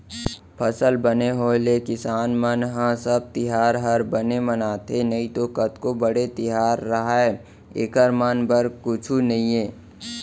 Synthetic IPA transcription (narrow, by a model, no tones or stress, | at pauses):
pʰəsəlbəneɦoːlekɪsaːnmənɦãsəb̚t̪ɪɦaːɾɦəɾbənemənaːt̪enɐĩt̪okət̪kobəɽet̪ɪɦaːɾːɐɦaɛ | eːkəɾmənbəɾkʊt͡ʃʰunɐɦĩẽː